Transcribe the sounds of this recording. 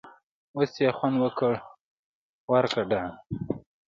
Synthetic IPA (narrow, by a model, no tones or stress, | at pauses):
wosjexwand̪wəkəɽ | waɾkaɖan